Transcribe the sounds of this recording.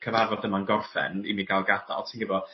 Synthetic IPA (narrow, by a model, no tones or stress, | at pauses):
kʰəvaɾɔdəmanɡɔrfɛ̰nḭmiɡalˠɡad̥a̰lˠtʰiːnɡəbɔ